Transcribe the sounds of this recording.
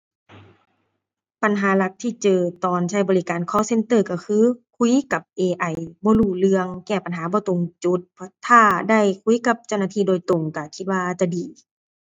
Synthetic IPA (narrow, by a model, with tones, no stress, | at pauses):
pa˨nɦaː˨˦la˧˦k̚t̪ʰiː˧˩˨t͡ɕɤː˨˧˩t̪ɔː˨˩nt͡ɕʰa˧˥˩jbɔː˨li˦˧kaː˨nkʰɔː˧˨se˧˥nt̪ɤː˧˩˨ka˧˩kʰɯː˧˥˨kʰu˧˥˨ka˨˩p̚ʔeː˧ʔa˧˩jbɔː˧˦luː˧˩lɯ˧əŋkɛː˧˩pa˨nɦaː˨˦bɔː˧˦t̪o˧˩ŋt͡ɕu˧˦t̪̚pʰɔ˧t̪ʰːaː˧˩da˧˥˩jkʰu˧˥˦ka˧˦p̚t͡ɕa˧˩wnaː˧t̪ʰiː˧˨doː˨jt̪o˨˩ŋka˧˩kʰi˧t̪̚waː˧ʔt͡ɕa˧˩diː˨˩